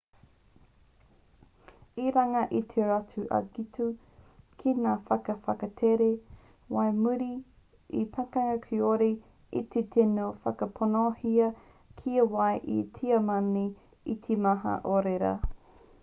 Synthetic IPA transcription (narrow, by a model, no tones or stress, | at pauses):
iɾaŋɐʔit̪ʰeatuʔɐ̰ɡitu | kʰinaːfɐkɐfɐkɐtʰeɾe | wajmuɾi | ḭpʰɐkɐkʰioɾe | ḭt̪ʰet̪ʰenofɐkɐpʰonohiɐ | kʰiɐwajʔḭtʰiɐmɐni | it̪ʰemɐɦɐ̰ʔoɾeɾɐ̰